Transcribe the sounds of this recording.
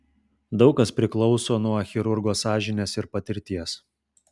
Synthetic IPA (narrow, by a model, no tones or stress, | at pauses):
d̪ɒʊkɐspʲɾʲɪklˠɔʊsoːnuɔxʲɪɾʊɾɡoːsɑːʒʲɪnʲeːsɪɾpɐt̪ʲɪɾʲt̪ʲiɛs